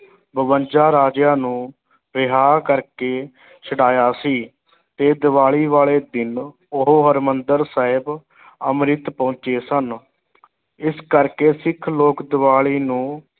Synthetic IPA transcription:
bəʋənd͡ʒaːɾaːd͡ʒjãːnũː | bɪɦaːɾkəɾkeː | t͡ʃʰəɽaːjaːsiː | t̪eːd̪ɪʋaːɭiːʋaːɭeːd̪ɪn | oɦoɦəɾmənd̪əɾsaːɦɪb | əmɾɪt̪põːt͡ʃeːsən | ɪskəɾkeːsɪkʰloːkd̪ɪʋaːɭiːnũː

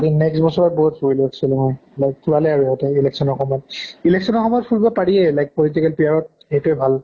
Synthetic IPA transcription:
dinɛksbɔsɔɹɔt̚bɔɦutsoɹiliaksilɛmɔjlajk̚tʰuɹalɛaɹuɦɔtɛilɛksɔnɔɹxɔmɔjɔtilɛksɔnɔxɔmɔjɔt̚pʰulbɔpaɹiɛlajk̚polit̬ikɛlpiaɹɔt̚ | ɛjtuɛbʱal

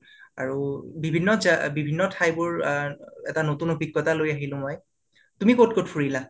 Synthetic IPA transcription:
aɹubibʱinːɔzabibʱinːɔtʰajbʊɹ | ɛtanotunobʱiɡːɔtalojaɦilʊ̃mɔj | tumikot̚kotfʰuɹila

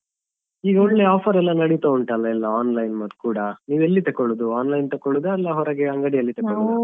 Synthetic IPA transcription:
iːɡɐɔɳleaːpʰɐɾɛlːɐnɐɽit̪ouɳʈɐlːɐɛlːɐaːnlɐjnmɐt̪ːkuːɽɐniːʋelːit̪ɐkːoɭud̪uaːnlɐjnt̪ɐkːoɭud̪eɐlːɐɦɔɾɐɡeɐŋɡɐɽiɐlːit̪ɐkːoɭud̪

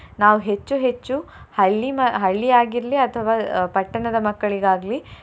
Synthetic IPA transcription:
naːʋuɦe̞t͡ʃːuɦe̞t͡ʃːuhɐɭːimɐɦɐɭːiaːɡiɾɐliɐt̪ʰɐʋaːpɐʈːɐɳɐd̪ɐmɐkːɐɭiɡaːɡli

